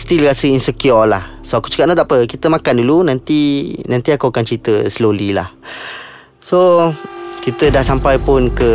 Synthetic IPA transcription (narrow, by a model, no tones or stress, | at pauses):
st̪ilɾasəinsəkiɔla̰hsoaku̥t͡ʃə̥kap̚not̪aʔpəkit̪əmãkandulunãnt̪inãnt̪iakuakant͡ʃit̪əsəlolila̰h | so | kit̪ədahsampajpʊnkə